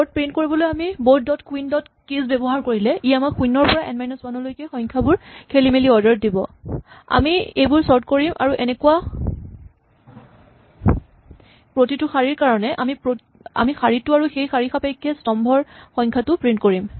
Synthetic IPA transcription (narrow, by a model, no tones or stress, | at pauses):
bɔt̚pɹint̚koɹibɔlojamibowt̚dɔtkuindɔt | kisbɛbɔɦaɹkoɹilɛijamakʰunɔɹpɔɹaʔɛ̰nmajnɔswanɔlojkɛxɔjŋkʰabʊɹkʰelimeliɔdaɹ̚dibɔa̰miejbʊɹsɔɹt̚koɹimʔa̰ɹuʔɛnɛkua | pɹotitʊxaɹiɹkaɹɔnɛʔamipɹo | a̰mixaɹitʊaɹuxejxaɹixapajkʰːɛstɔmbʱɔɹxɔjŋkʰatʊpɹintkoɹim